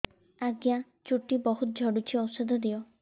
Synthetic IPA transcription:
aɡja | t͡ʃuʈibɔɦut̪̚d͡ʒʱɔɽut͡ʃʰiɔwsɔd̪ʱɔd̪ijɔ

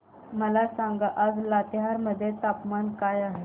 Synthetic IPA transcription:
məlasaŋɡaʔəd͡zlat̪eɦaɾməd̪ʱːjet̪apmankajaɦe

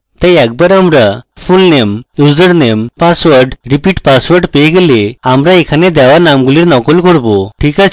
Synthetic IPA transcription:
t̪ejak̚bəɾamɾafulnemjud͡zəɾnempasʋəɾɖɾipiʈpasʋəɾɖpejɡeleamɾaekʰaned̪aʋanamɡuliɾnɔkɔlkɔɽboʈʰika

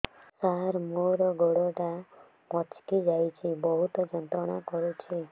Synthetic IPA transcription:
saɦɾmoɾɔɡɔɽɔʈa | mɔt͡ʃkid͡ʒajt͡ʃʰibɔɦut̪ɔd͡ʒɔnt̪ɔɽ̃akɔɾut͡ʃʰi

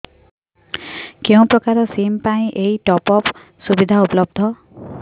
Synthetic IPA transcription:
kew̃pɾɔkaɾɔsimpaj̃ʔejʈɔpɔp | subid̪ʱaupɔlɔb̚d̪ʱɔ

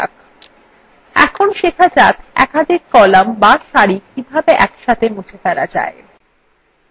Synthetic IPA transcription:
k | ɛ̰kʰonʃekʰad͡ʑakɛ̰kad̪ʱikːɔlambaʃaɾikibʱabeʔɛkʃat̪ʰemut͡ɕʰefɛɾad͡ʑa̰e

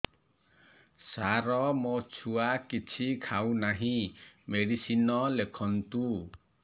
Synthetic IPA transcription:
saɾɔmot͡ʃʰuakit͡ʃʰikʰawnaɦĩmeɽisinɔlekʰɔnt̪u

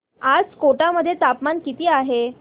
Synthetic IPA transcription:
ad͡zkoʈaməd̪ʱːjet̪apmankit̪iːaɦe

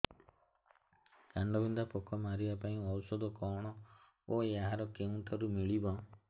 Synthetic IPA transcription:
kaɳɖɔbind̪apɔkʰɔmaɾibapaĩɔwsɔd̪ɔkɔɽ̃ɔ | ojaɦaɾɔkeũɳʈɔɾumiɭibɔ

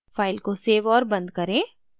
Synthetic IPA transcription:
faːɪlkoseːʋɔːɾbɐ̃nd̪̚kɐɾẽː

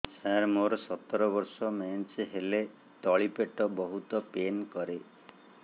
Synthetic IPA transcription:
sãɾmoɾɔsɔt̪ːɔɾɔbɔɾsɔment͡ʃeɦele | t̪ɔɭipeʈɔbɔɦut̪ɔpenkɔɾe

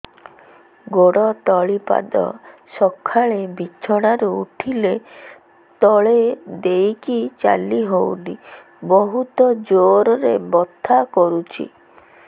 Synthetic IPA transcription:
ɡoɽɔt̪ɔɭipa̰d̪ɔ̰sɔkʰːaɭebit͡ʃʰɔɽ̃aɾuuʈʰile | t̪ɔɭed̪ejkit͡ʃa̰liɦowni | bɔɦut̪ɔd͡ʒoɾɔɾebɔt̪ʰːakɔɾut͡ʃʰḭ

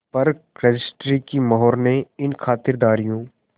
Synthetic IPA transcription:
pɐɾɾɐd͡ʒɪsʈɾikimɐɦɔːɾneɪnkʰaːt̪ɪɾd̪aːɾijõː

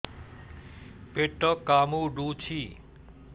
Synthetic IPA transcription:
peʈːəkamuɖut͡ɕʰi

